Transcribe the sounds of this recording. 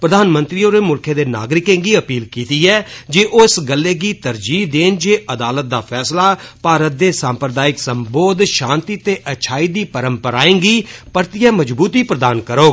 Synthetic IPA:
pɾəd̪ʱaːnmə̃nt̪ɾiːoːɾeːmʊlkʰẽːd̪eːna̰ːɡɾɪkẽːɡiːəpiːlkiːt̪iːɛːd͡ʒeːʔoːɪsɡəlːeːɡiːt̪əɾd͡ʒiːd̪eːnd͡ʒeːʔəd̪aːlət̪̚d̪aːpʰɛːslaːpaːɾət̪̚d̪eːsãːmpɾəd̪aːɪksəmboːd̪ʃãːnt̪iːt̪eːʔət͡ʃʰaːiːd̪iːpəɾəmpəɾaːẽːɡiːpəɾt̪ijɛ̃ːməd͡ʒbuːt̪iːpɾəd̪aːnkəɾoːɡ

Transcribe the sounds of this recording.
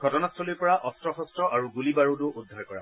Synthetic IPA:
ɡʱɔtɔnastʰɔlojpɔɹaʔɔstɹɔxɔstɹɔʔaɹuɡulibaɹutʊʔudʱːaɹkɔɹa̰

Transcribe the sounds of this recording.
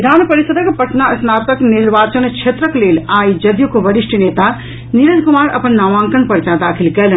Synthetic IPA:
d̪ʱaːnpɐɾisəd̪əkpɐʈnaɐsnaːt̪əkniɾbaːt͡ʃənt͡ʃʰet̪ɾəkleːlaːjd͡ʒɐd̪jukoʋɐɽisʈineːt̪a | niɾəd͡ʒkumaːɾɐ̰pənːaːʋãːŋkənpəɾt͡ʃad̪aːkʰilkɛlə

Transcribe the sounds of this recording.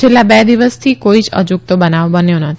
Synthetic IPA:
t͡ʃʰelːabɛd̪iʋəst̪ʰikoid͡ʒə̰d͡ʒuk̚t̪obənaʋbənjonət̪ʰ

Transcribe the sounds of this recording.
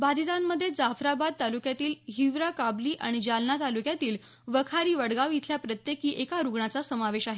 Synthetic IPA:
bad̪it̪anːəd̪ʱːjed͡zafɾabad̪̚t̪alukjat̪iːlɦiʋɾakabliːʔaɽ̃id͡ʑalnat̪alukjat̪iːl | ʋəkʰaɾiːʋəɽɡaʋit̪ʰljapɾət̪jekiːʔekaɾuɡɳat͡sasəmaʋeɕaɦe

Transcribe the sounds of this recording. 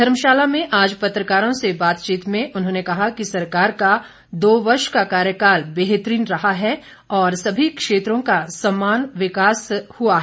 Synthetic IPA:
d̪ʱɐɾmʃaːlamẽʔaːd͡ʒpɐt̪ɾəkaːɾõsebaːt̪t͡ʃiːt̪mẽʔʊnɦõːnekɐɦakisɐɾkaːɾka | d̪oːʋɐɾʃkakaːɾjəkaːɾbeːɦet̪ɾiːnɾɐɦaɦɛ | ɔːɾsɐbʱikʃeːt̪ɾõkasɐmːaːnʋɪkaːshuaɦ

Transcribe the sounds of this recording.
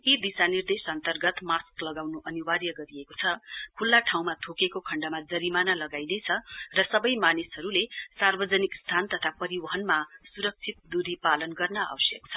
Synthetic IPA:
id̪isanird̪esʌnt̪ʌrɡʌt̪masklʌɡawnuʔʌniwarjʌɡʌɾijekot͡sʰʌkʰulːaʈʰaw̃mat̪ʰokekokʰʌɳɖamad͡zʌɾimanalʌɡajnejt͡sʰʌrʌsʌbʌjmanesɦʌɾulesarbʌd͡zʌnikst̪ʰant̪ʌt̪ʰapʌɾiwʌɦʌnmasuɾʌk̚t͡sʰit̪̚d̪uɾipalʌnɡʌrnʌa̰wʌsjʌk̚t͡sʰʌ̥

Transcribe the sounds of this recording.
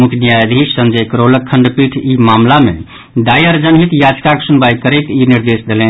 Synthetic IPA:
mukʰnijajd̪ʱisə̃nd͡ʒəjkɾoləkʰːəɳɖpiʈʰimamlamḛ | ɖ̪ajəɾd͡ʒənɦit̪jad͡ʒkaksunbajkəɾɛt̪iniɾd̪esd̪elɛ̃n

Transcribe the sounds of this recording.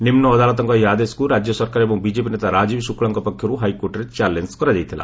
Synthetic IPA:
nimnɔːd̪alɔt̪ɔŋkɔɦiad̪eskuɾad͡ʒjɔsɔɾkaɾebɔŋbid͡ʒep̬inet̪aɾad͡ʒibsukɭaŋkɔpɔkʰjɔɾuɦajkoʈɔɾet͡ʃalenskɔɾad͡ʒajt̪ʰila̰

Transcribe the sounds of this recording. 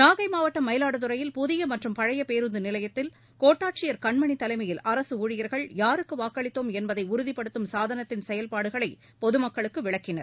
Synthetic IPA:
naːɣɐɪmaːʋɐʈːɐmːɐɪlaːɽɯt̪ɯɾɐjɪlpʊðɪjɐmɐʈrɯmpɐɻɐjɐpeːɾɯnd̪ɯnɪlɐjɐt̪ːɪl | koːʈːaːʈ̚t͡ʃɪjɐɾkɐɳmɐɳit̪ːɐlɐɪmɐjɪlʔɐɾɐsɯuːɻɪjɐɾɣɐɭjaːɾɯkːɯʋaːkːɐɭɪt̪ːoːmɛnbɐðɐɪʊɾʊðipːɐɽɯt̪ːɯmsaːðɐnɐt̪ːɪnsɛjɐlpaːɽɯɣɐɭɐɪ | pɔðɯmɐkːɐɭɯkːɯʋɪɭɐkːɪnɐɾ

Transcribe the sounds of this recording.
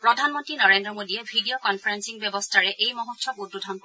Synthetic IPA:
pɹɔdʱanmɔntɹinɔɹendɹɔmodiɛbʱidijokɔnpʰaɹensiŋbjɛbɔstʰaɹɛʔejmɔɦutsɔkudbudʱɔn

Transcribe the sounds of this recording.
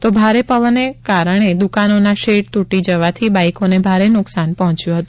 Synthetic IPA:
t̪obʱaɾepəʋənːekaɾəɳ̃ed̪ukanonaʃeʈt̪uʈid͡ʒəʋat̪ʰibajkonebʱaɾenʊksanpəɦɔ̃t͡ʃjũɦət̪ũ

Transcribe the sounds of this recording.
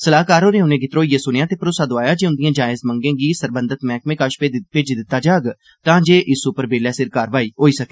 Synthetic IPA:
səlaːkaːɾoːnẽːʊnẽːɡɪt̪ɾoːiːeːsʊnjaːt̪eːpəɾoːsaːd̪oaːjaːd͡ʒeːʊnd̪ɪjãːd͡ʒaːɪzmə̃ŋɡẽːɡiːsəɾbə̃nd̪ət̪mɛ̃ːkmẽːkəʃpepet͡ʃd̪ɪt̪ːaːd͡ʒaːɡ | t̪ãːd͡ʒeːʔɪsʊpəɾbeːlɛːsɪɾkaːɾʋaːiːɦoːiːsəkeː

